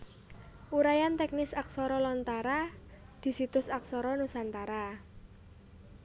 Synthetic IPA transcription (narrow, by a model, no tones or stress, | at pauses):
ʔuɾajant̪ɛk̚nɪsaksɔɾɔlɔnt̪aɾa | d̪̥i̤sit̪ʊsaksɔɾɔnusant̪aɾa